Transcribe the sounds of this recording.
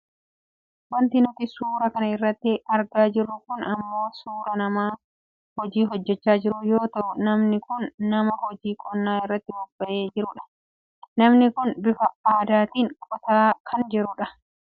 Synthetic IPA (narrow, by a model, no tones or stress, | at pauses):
wɐnt̪ɪnʊt̪ɪsuːɾɐkɐnɐɪrːɐt̪ːɪɐɾɡaːd͡ʒɪrːʊkʊnɐmːo̞ːsuːɾɐnɐmaː | hɔd͡ʒiːɦɔd͡ʒːɛt͡ʃːaːd͡ʒɪɾʊjo̞ːt̪ɐʔʊnɐmnɪkʊnːɐmɐhɔd͡ʒiːkʼɔnːaːɪrːɐt̪ːɪwʊbb̥ɐʔe̞ːd͡ʒɪɾʊᶑɐ̥ | nɐmnɪkʊnbɪfɐaːd̪aːt̪iːŋkʼɔt̪aːkʰɐnd͡ʒɛɾʊᶑɐ̥